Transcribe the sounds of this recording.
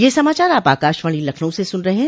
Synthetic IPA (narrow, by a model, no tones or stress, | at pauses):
jeːsɐmaːt͡ʃaːɾaːpaːkaːʃʋaːɽ̃ilɐkʰnõsesʊnɾɐɦeɦɛ̃